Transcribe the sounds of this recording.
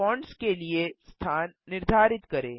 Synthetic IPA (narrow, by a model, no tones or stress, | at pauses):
ɔ̃ːɳɖskeliest̪ʰaːnːɪɾd̪ʱaːɾɪt̪kɐɾḛ̃ː